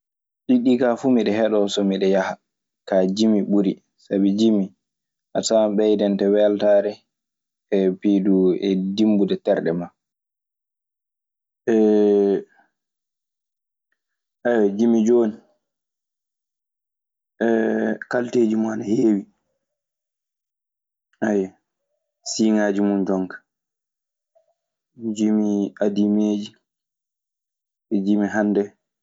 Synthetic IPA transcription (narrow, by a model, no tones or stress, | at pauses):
ɗiɗikafumiɗɛhɛɗɔsɔmiɗɛjaha | kad͡ʒimiɓuɾi | sabid͡ʒimi | ʔasaɓɛjdɛntɛwɛltaɾɛ | ɛpiduɛdimbudɛtɛɾɗɛma | ɛ | ʔawɛd͡ʒimid͡ʒoːni | ʔɛkalteːd͡ʒimɔanaheːwi | aja | siːŋaːd͡ʒimund͡ʒɔŋkḁ | d͡ʒimiʔadimeːd͡ʒi | ɛd͡ʒimiɦandɛ